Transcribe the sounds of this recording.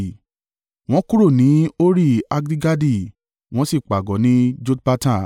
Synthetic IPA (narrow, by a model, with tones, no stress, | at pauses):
w̃ɔ̃˦ku˦ɾo˦˨nĩ˨˦o˦ɾi˦˨a˧ɡɾi˦ɡa˦di˦˨ | w̃ɔ̃˦si˦˨k͡pa˨ɡɔ˨˦nĩ˨˦d͡ʒo˦tpa˦tã˦˨